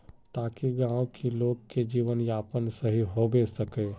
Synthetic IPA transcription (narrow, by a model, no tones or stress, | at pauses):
t̪aːkiɡãːwkʰiloːɡked͡ʒiːʋənjaːpənsəɦiɦobesəkeː